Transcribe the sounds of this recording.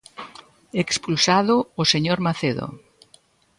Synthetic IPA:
ekspulsaðʊːseɲoɾmaθeðo̰

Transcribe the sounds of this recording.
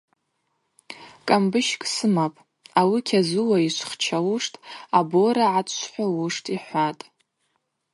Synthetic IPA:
kʼambɨʃkʼsɨmapʼ | awikʲʰazɨwaiʃʷʰχt͡ʃʰawʊʂtʼaboɾaʕaħʷawʊʂtʼiħʷatʼ

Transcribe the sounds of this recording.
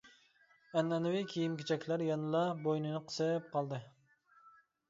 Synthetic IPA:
ɛnɛnɨwikʲʰijimkʲʰet͡ʃʰɛkʲʰlæɾjɑnɨlˠɑbojnɨnɨqʰə̥sɨp̚qʰɑlˠd̪ɨ

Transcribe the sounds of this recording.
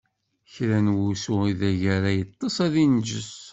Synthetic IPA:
çɾænwusʊʁiðæʝæɾæjət̪ˤːɑsˤæðind͡ʒəs

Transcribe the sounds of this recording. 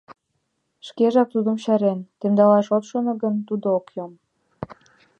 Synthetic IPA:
ʃkeʒɑk̚t̪ud̪ə̆mɕæɾent̪emd̪ɑlɑʃot̪ʃonŏɡənt̪ud̪ookjom

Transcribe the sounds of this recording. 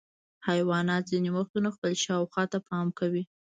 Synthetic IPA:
hajwɑnɑt̪zinemʊxt̪unaxpəlʃɑwxwɑt̪apɑmkawi

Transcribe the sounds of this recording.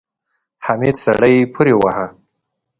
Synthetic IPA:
hamed̪sa̰ɽajpʰuɾewaha

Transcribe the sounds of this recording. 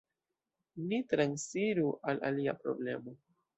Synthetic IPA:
nitɾansiɾuʔala̰liapɾo̞̰ble̞mo̞

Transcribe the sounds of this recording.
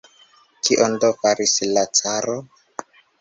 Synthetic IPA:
kiʔondofaɾislat͡saɾo

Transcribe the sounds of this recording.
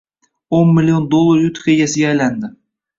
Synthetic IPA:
onmɪlʲijond̪olˠːaɾjʊt̪ʰχʲejʲasɪɡʲaːjland̪ɪ

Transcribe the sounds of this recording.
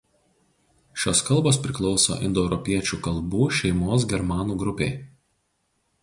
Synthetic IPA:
ʃʲoːskɐlˠboːspʲɾʲɪklˠɒʊso̰ːʔɪ̰nd̪ɔɛʊɾɔpʲiɛt͡ʃʲuːkɐlˠˑbuːʃʲɛɪmoːsɡʲɛɾmɑːnuːɡɾʊpʲeː

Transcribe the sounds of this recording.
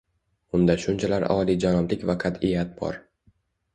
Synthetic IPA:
ʊnd̪aʃʊnt͡ʃʰalaɾɒːlˠid͡ʒanɒmlɪkʲvaqʰɑt̪ɪjat̪̚bɒ̰ɾ

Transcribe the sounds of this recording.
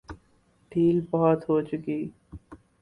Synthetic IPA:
ɖʱiːlbɔɦɔt̪ɦot͡ʃʊkiː

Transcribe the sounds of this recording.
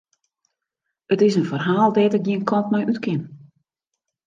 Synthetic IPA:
ətɪsənfərɦaːlˠdɛtɪk̚diənkʰɔntmɛjʔytkɪn

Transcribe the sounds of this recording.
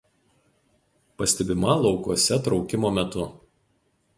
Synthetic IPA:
pɐsʲt̪ʲɛbʲɪmɐlˠɒʊkuɔsʲɛt̪ɾɒʊkʲɪmoːmʲɛt̪ʊ

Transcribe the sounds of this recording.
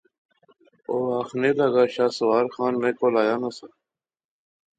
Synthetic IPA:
oːaːxneːlaɡaːɕaːsʊwaːɾxaːnmẽːkoːlaːjaːnasa

